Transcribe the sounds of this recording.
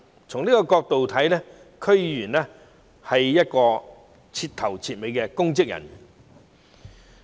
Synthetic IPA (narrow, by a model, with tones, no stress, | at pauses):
t͡sʰʊ˨˩ŋniː˥kɔː˧kɔː˧k̚t̪o˨wt̪ʰɐ˨˥jlɛ˥ | kʰɵ˥ɥjyː˨˩nlɛ˥ | hɐ˨jːɐ˥t̚kɔː˧ | t͡sʰiː˧t̪̚ʰɐ˨˩wt͡sʰiː˧t̚me˨˧jkɛ˧kʊ˥ŋkɪ˥k̚jɐ̰˨˩n˩